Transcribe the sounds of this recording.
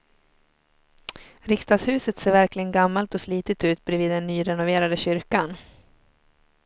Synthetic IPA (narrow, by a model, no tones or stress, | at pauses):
ɾɪkst̪ɑːɡshʉ̟ːsət̪seːɾvæɾklɪɡənɡamːalt̪ɔsliːt̪ɪt̪ʉ̟ːt̪̚bɾɛviːd̪ːɛnːyːɾɛnʊveːɾad̪əɕʏɾkan